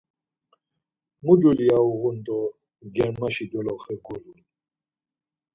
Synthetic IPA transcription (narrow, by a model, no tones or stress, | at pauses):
mudulijauɣʊnt̪ʼɔ | ɡɛɳmaʃid̪ɔlɔχɛɡulun